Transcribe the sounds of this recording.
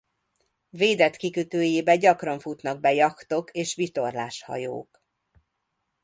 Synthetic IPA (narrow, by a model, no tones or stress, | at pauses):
veːd̪ɛt̪kikøt̪øːjeːbɛɟɒkrɒɱfut̪nɒɡ̚bɛjɒkt̪o̞keːʃʋit̪o̞rla̰ːʃhɒ̰jo̰ːk